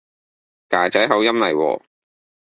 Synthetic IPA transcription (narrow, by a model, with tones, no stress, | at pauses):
kaː˨˩t͡sɐ˨˥jɦɐ˨˥wjɐ˥mlɐ˨jwɔ̰ː˧